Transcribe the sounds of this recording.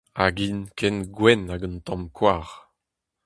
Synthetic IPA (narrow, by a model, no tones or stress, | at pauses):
aɡinkʰɛnɡwɛnaɡɔntɑ̃mkʰwaːʁ